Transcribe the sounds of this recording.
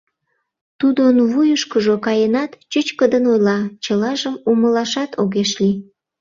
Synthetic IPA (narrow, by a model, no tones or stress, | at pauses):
t̪ud̪onβujəʃkəʒokɑjənɑt̪t͡ɕət͡ɕkəd̪ənojlɑt͡ɕəlɑʒəmuməlɑʃɑt̪ʰoɣeʃli